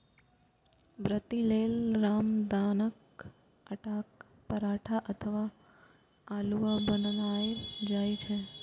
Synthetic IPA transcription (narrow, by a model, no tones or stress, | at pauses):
bɾət̪ilelɾamd̪anək | əʈak | pəɾaʈʰaʔət̪ʰəʋa | aluʋabənnajd͡ʒajt͡ʃʰe